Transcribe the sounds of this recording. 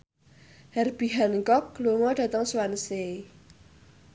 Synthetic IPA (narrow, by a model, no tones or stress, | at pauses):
hɛrb̥iɦanŋkɔkloŋɔɖ̥ä̤t̪əŋswanse